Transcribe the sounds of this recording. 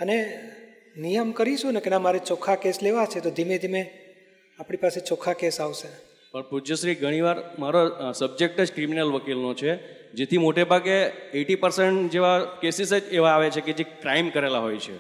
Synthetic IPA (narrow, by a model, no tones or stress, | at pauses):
əne | nijəmkəɾiʃũnekenãmaɾet͡ʃɔkʰakesleʋat͡ʃʰet̪od̪ʱimed̪ʱime | apɽ̃ipaset͡ʃɔkʰakesaʋʃe | pəɳpud͡ʒəʃɾiɡʱəɽ̃iʋaɾmaɾosəb̚d͡ʒek̚ʈəd͡ʒkɾiminəlʋəkilnot͡ʃʰe | d͡ʒet̪ʰimoʈebʱaɡeeʈipəɾseɳʈd͡ʒeʋakesisəd͡ʒeʋaːʋet͡ʃʰeked͡ʒekɾaimkəɾelaɦojt͡ʃʰḛ